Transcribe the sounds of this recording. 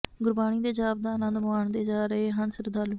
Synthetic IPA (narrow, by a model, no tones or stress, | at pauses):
ɡʊɾbaːɽ̃iːd̪eːd͡ʒaːbd̪aːlãːd̪əmaːɳd̪eːd͡ʒaːɾəeːɦaɳsəɾd̪aːlː